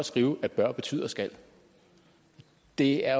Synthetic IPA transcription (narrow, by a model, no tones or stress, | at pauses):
sɡ̥ʁiːʊæb̥ɶɐ̰b̥e̝t͡sʰy̰ːð̰ˠɐsɡ̥æl̰ | d̥e̝æɐ